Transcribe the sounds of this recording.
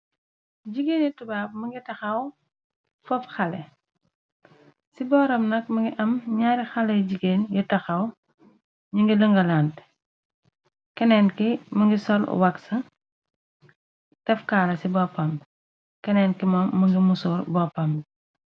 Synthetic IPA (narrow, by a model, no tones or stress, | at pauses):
ɟiɡeːnjitubaːp̚mɐŋɡitɐxɐw | fɔpxɐlɛ̰ | sibɔːɾɐmnɐk̚mɐŋɡiʔɐmɲaːɾixɐlɐjɟiɡeːnjutɐxɐw | ɲiŋɡiləŋɡɐlant | kɛnɛːnkimɐŋɡisɔl̰wɐksɐ | tɛfkaːlɐsibɔpːɐm | kɛnɛnkimɐmːɐŋɡimusuːɾbɔpɐm